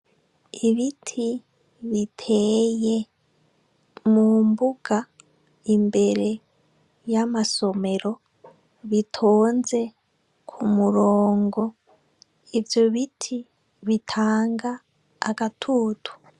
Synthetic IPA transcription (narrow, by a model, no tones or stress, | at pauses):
iβitʰi | βitʰeje | mumbuɡ̥a | imbeɾe | jamaso̞me̞ɾo̞ | βitʰoːnze | kʰumuɾoːŋɡo̞ | ivjo̞βitʰi | βitʰaːŋɡa̰ː | katʰuːtʰu̥